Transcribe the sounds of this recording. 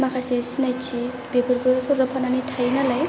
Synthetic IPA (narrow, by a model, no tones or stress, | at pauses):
makʰasesinajt͡ʃʰi | bebɯɾbɯsɔɾdapʰananitʰajnalaj